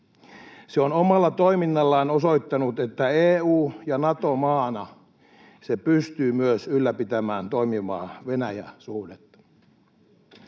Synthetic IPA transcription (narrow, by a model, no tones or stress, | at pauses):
seonomɑlːɑt̪oiminːɑlːɑːnoso̞it̪ːɑnut̪e̞t̪ːæeːuːjɑnɑt̪omɑːnɑ | sepyst̪yːmyøsylːæpit̪æmæːnt̪oimiʋɑ̰ːʋe̞næjæ̰suhdet̪ːɑ̥